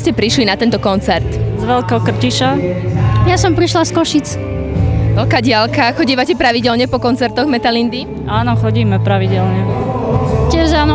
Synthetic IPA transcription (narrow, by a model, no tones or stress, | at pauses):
scɛpɾiʃlinat̪ɛnt̪ɔkɔnt͡sɛɾt̪zʋɛlkɔkr̩ciʃa | jasɔmpɾiʃlaskɔʃit͡s | ʋɛlkaːɟɪalkaxɔɟiːʋacɛpɾaʋiɟɛlɲɛpɔkɔnt͡sɛɾt̪ɔɣmɛt̪alind̪i | aːnɔxɔɟiːmɛpɾaʋiɟɛlɲɛ | cɪɛʒaːnɔ